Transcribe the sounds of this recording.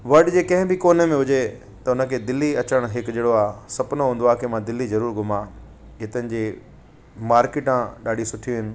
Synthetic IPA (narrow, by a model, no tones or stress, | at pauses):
ʋɐɗd͡ʑeːkɐ̃ɦɪ̃bʱɪkoːnəmẽɦʊd͡ʑe | t̪ɐʊnə̆kʰeːd̪ɪlːiɐt͡ɕəɽ̃ɦɪkd͡ʑeːɽoaːsɐpʊnoɦũːn̆d̪oaːkʰemãd̪ɪlːizɐɾuːɾɡʱʊma | ɦɪt̪ənɪ̆d͡ʑeː | maːɾkɪʈãɗaːɖʱisʊʈʰijuɦɪnɪ̆